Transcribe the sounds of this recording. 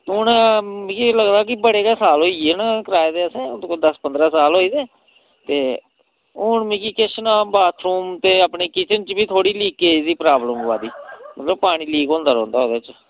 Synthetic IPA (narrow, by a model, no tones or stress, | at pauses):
t̪ʊːnmĩkiləɡd̪aːk̬ɪbəɽeːkaːsaːlɦoːiːenkəɾaːed̪eːəsẽːd̪əspənd̪ɾaːsaːlɦoːiːd̪eː | t̪eː | ʊɳmĩːkiːkɪʃənaːbaːt̪ʰɾuːmt̪eːapɳeːkit͡ʃənt͡ʃbiːt̪ʰoːɽiːliːkːeːd̪iːpɾaːbləmʋaːd̪iːmət̪ləbpaːɽ̃iːliːkõːnd̪aːɾɔ̃ːnd̪aːɦoːd̪eːt͡ʃ